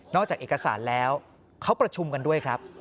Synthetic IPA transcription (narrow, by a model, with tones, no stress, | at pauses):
nɔː˥˩k̚t͡ɕaː˨˩k̚ʔeː˨˩ka˧sa̰ː˩˦nlɛː˦˥w | kʰa˦˥wpɾa˧t͡ɕʰu˧mka˧ndu˥˩əjkʰɾa˦˥p̚